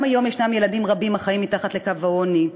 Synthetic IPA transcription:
majo̞mjeʃnamje̞ladimʁabimaχaimːitaχat̪lekavaoni

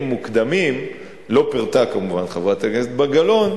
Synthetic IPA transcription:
mːukd̪amim | lo̞piʁt̪akamuvanχavʁat̪akeset̪baɡalo̞n

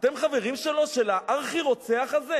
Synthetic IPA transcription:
t̪e̞mχave̞ʁimʃe̞lo̞ʃe̞laʔaʁχiʁo̞t͡seaχaze̞

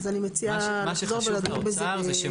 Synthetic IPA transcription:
zanimet͡sialaχzo̞ʁvelad̪moɡbeze

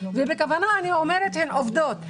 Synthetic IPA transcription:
vebekavanaːniomeʁet̪henʔovd̪ot̪

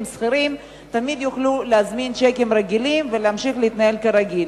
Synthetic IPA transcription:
msχiɾim | t̪amid̪juχluleazmint͡ʃekemɾeɡilimveleamʃiχleit̪nae̞lkaɾaɡil

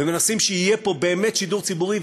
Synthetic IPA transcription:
emenasimʃeijepo̞beːmet̪ʃid̪uʁt͡sibuʁiv

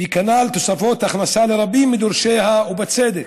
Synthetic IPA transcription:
bikanalt̪osafot̪aχnasaleɾabimːid̪oɾʃehaubat͡sed̪ek

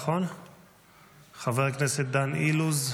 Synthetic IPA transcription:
χon | χaveʁkneset̪̚d̪aniluz

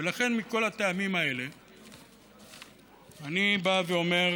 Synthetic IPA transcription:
elaχe̞nmiko̞lat̪eamimae̞le̞ | anibaveo̞me̞

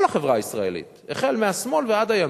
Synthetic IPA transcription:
laχevʁaisʁae̞̰lḭt̪ | eχe̞lmeasmo̞lvead̪haja

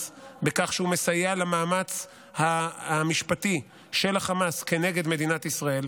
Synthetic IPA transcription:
bekaχʃeume̞sajalamaːmat͡s | haamiʃpati | ʃe̞laχamaske̞ne̞ɡe̞d̪me̞d̪inat̪isʁae̞l

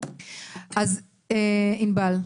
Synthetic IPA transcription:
az | einbal

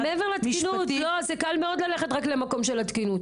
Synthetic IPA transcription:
meeveʁlat̪inut̪lozekalme̞o̞d̪laleχetʁaklemako̞mʃelat̪kinut̪

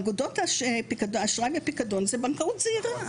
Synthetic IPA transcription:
ɡudotaʃepikadoaʃʁavepikadonzebaŋkaut̪z̥eiʁa

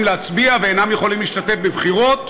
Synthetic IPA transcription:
mleat͡sbiaveeːnamjeχolimliʃt̪at̪e̞fbevχiʁo̞t

